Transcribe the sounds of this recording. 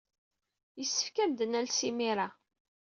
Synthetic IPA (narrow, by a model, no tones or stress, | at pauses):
jəsːə̥fkæmd̪ənælsimiɾa